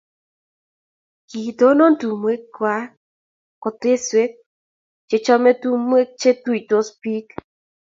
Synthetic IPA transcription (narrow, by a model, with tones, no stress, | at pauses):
ki˨do˦nɔ˦ntu˨mwe˦kkwa˦ | kɔ˨te˦swe˦k̚ | t͡ʃe˨t͡ʃɔ˦mɛ˦tu˦mwe˦k̚t͡ʃe˦tu˦i˨to˦spi˦k